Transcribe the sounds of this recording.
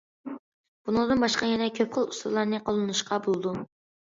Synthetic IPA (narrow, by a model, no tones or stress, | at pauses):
b̥unɨŋd̪ɨnbɑʃqɑjɛnɛkʲʰøp̚χəlˠusɾlˠɑɾnɨqolˠɨnɨʃqɑbolˠd̪u